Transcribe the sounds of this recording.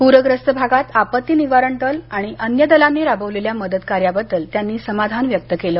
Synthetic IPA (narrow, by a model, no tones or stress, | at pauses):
puɾəɡɾəst̪əbʱaɡat̪apət̪ːiniʋaɾəɳʈ̪əlaɽ̃iʔənjəd̪əlamːiɾabəʋleljaməd̪əd̪kaɾjabəd̪ːəlt̪janːiːsəmad̪ʱanʋjək̚t̪əkeləː